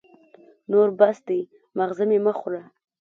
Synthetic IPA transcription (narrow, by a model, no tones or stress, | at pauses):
noɾbasd̪ej | maɣzəmemaχʊɾa